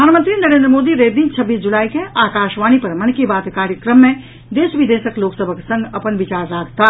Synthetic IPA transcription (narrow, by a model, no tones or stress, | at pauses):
əaːnmənt̪ɾinɐɾẽːnd̪ɾəmoːd̪iɾeːd̪iːnt͡ʃʰɐbːiːsd͡ʒulaːikeʔaːkaːʃʋaːñipɐɾmɐnkibaːt̪kaːɾjəkɾəmːẽ | d̪eːʃʋɪd̪eːʃəkloːksəbʱəksə̃ŋɡɐpənʋɪt͡ʃaːɾɾaːɡt̪ʰa